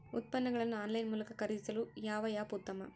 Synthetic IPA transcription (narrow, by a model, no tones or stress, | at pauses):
ʊ̰t̪̚pɐnːɐŋɡɐɭɐnːaːnlɐɪnmuːlɐkːɐkɐɾɪðɪsɐlujaːʋɐjaːput̪ːɐmɐ̰